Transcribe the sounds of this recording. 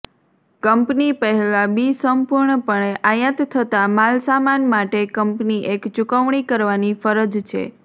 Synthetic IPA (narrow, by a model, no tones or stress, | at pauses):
kəmpnipəɦɛlabisəmpuɾɳəpəɳeʔajət̪t̪ʰːət̪amalsamanmaʈekəmpniʔekt͡ʃukəʋɳ̃ikəɾʋanifəɾəd͡ʒt͡ʃʰḛ